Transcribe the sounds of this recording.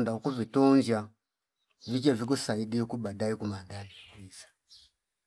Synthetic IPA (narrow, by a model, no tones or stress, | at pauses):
ndaukuvitɔɲd͡ʒa | vit͡ʃɛvikusaiɗikuɓadaikumadaiisḁ